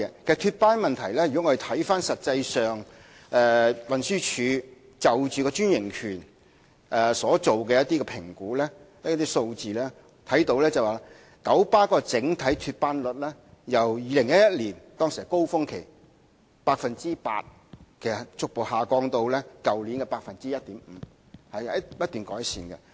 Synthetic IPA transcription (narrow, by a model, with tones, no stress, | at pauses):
kʰe˩st̪ʰyː˧t̚paː˥nmɐ˨nt̪ʰɐ˨˩jlɛː˥jy˨kɔ˨˥ŋːɔ˧e˨˩t̪ʰɐ˨˥jfaː˥nsɐ˨t̚t͡sɐ˧jsœː˨ŋ | ɛː˨˧wɐ˨nsyː˥t͡ʃʰyː˨˧˥ | t͡sɐ˨wt͡ʃyː˨kɔː˧t͡ʃyː˥njɪ˨˩ŋkʰyː˨˩n | ʔɛ˨sɔː˨˥t͡so˨wkɛː˧jɐ˥t̪iː˥kɛ˧pʰɪ˨˩ŋkuː˨˥lɛː˥jɐ˥tt̪ːiː˥so˧wt͡siː˨lɛː˥ | t̪ʰɐ˨˥jt̪o˨˧wlɛː˥t͡sɐ˨˩waː˨˥ | kɐ˨˥wpaː˥kɔː˧t͡sɪ˨˥ŋt̪ʰɐ˨˥jt̪ʰyː˧t̚paː˥nlʊ˨t̚lɛː˥jɐ˨wjiː˨˧lɪ˨˩ŋjɐ˥t̚jɐ˥t̚liː˨˩nt̪ɔː˥ŋsi˨hɐ˨˩ko˥wfʊ˥ŋkʰe˨˩j | paː˧k̚fɐ˨nt͡siː˥pa̰ː˧t̚ | kʰe˨˩stt͡sʊ˥k̚po˨whaː˨˩kɔː˧ŋt̪o˧wlɛ˥kɐ˨wliː˨˥nkɛ˧paː˧k̚fɐ˨nt͡siː˥jɐ˥t̚t̪iː˨˥m̩˨˩˧ | hɐ˨jhɐ˥jɐ˥t̪̚yː˨nkɔː˨˥jsḭː˨nkɐ̰˧